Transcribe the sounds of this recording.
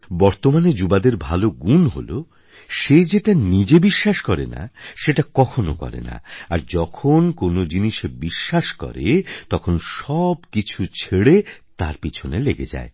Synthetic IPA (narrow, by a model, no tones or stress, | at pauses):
bɔɾt̪omaned͡ʑubad̪eɾbʱaloɡunɦo̰lo | ʃed͡ʑeʈanid͡ʑebiʃːaʃkɔɾḛna̰ʃeʈakɔkʰono̰kɔ̰ɾḛna̰aɾd͡ʑɔkʰonkonod͡ʑiniʃebiʃːaʃkɔ̰ɾet̪ɔkʰonʃɔbkit͡ɕʰut͡ɕʰeɽet̪aɾpit͡ɕʰoneleɡed͡ʑa̰e